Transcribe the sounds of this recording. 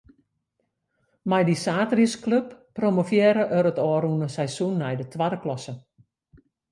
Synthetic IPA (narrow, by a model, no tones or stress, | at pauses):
majdisaːtriskløpːromofjeːɾəʔøɾətɔːɾunəsɛjsunːɛjdətʰwadəklɔsə